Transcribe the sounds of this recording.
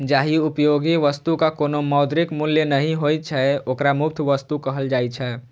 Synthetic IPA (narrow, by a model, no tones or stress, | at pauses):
d͡ʒaːɦiupjoɡiʋəst̪ukakoːnomɔʊd̪ɾikmʊlːjenəɦĩɦojt͡ʃʰɛoːkɾamʊp̚t̪ʰʋəst̪ukəɦəld͡ʒaːit͡ʃʰɛː